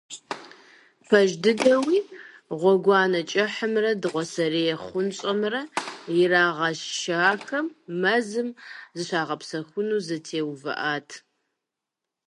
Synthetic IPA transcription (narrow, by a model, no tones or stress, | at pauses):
pʰɐʒdɨdɐwiː | ʁʷɔɡʷɑːnɐt͡ʃʼɐħəmrɐdɨʁʷɔsɐrejɛχʷʊnɕʼɐmrɐjɪraːʁɐʃʃaːxɐmːɐzɨmzɨɕʷaːʁɐpsɐxʷʊnuːzɐtʰeːwvɐ̰ʔaːtʰ